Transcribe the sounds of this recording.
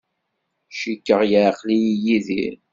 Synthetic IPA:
ʃikːəʁjəɾqlijijiðḭɾ

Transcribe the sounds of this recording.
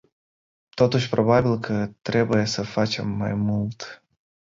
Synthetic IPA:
t̪o̞t̪uʃʲpɾo̞babilkʰət̪ɾe̞buje̞səfat͡ʃe̞mːa̰jmult̪

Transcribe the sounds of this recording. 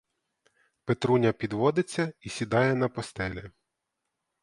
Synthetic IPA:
pet̪ɾunʲɐpʲid̪ʋɔd̪ɪt͡sʲːɐisʲid̪ɑjɛnɐpɔst̪ɛlʲɛ

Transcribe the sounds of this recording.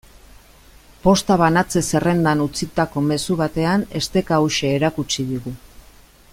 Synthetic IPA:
po̞st̪aβ̞anat͡se̞se̞re̞nd̪anut͡sit̪ako̞me̞suβat̪e̞ane̞st̪e̞kauʃe̞ːɾakut͡ʃiðiɣu

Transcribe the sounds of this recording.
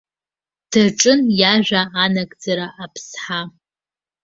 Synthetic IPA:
d̥ʰaʈ͡ʂʼɨnjaʒᶣʷaʔːnaɡʼd͡zaɾaʔːpʰsħa

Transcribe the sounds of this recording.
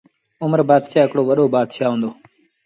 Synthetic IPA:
ʊməɾbaːd̪ʃaːɪkɽoːʋəɗoːbaːd̪ʃaːɦõːnd̪oː

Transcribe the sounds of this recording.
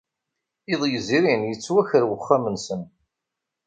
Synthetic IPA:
ɪðˤjəziɾinjət͡sːwæçəɾwəχːamənsən

